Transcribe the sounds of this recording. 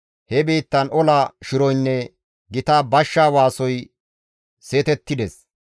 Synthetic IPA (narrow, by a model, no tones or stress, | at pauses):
hɛbiːt̪ːɐnɔlɐʃɪɾɔjnːɛ | ɡɪt̪aːbɐʃːaːwaːsɔj | se̞ːt̪ɛt̪ːɪd̪ɛs